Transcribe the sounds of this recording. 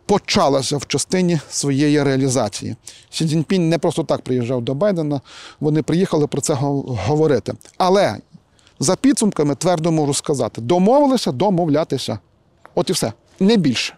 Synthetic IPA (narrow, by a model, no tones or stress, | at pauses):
pɔt͡ʃɑlˠɐsʲɐwt͡ʃɐst̪ɪnʲisʋɔjejiɾeɐlʲizɑt͡sʲḭjḭsʲidʲinʲpʲinʲnɛpɾɔst̪ɔt̪ɑk̚pɾɪjiʒːɑwd̪ɔbɑjd̪enɐʋɔnɪpɾɪjixɐlˠɪpɾɔt̪sɛɦɦɔʋɔɾɪt̪ɪ̰ɐlˠɛ̰ | zɐpʲid̪sʊmkɐmɪt̪ʋɛrd̪ɔmɔʒʊskɐzɑ̰t̪ɪd̪ɔmɔʋɪlˠɪsʲɐd̪ɔmɔwlʲat̪ɪsʲɐ̰ | ɔt̪iwsɛ̰ | nɛbʲilʲʃɛ̥